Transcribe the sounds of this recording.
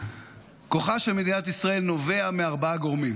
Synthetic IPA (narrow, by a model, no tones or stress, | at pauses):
ko̞χaʃelmedinat̪isʁae̞lno̞ve̞ameaʁbaaɡoʁmim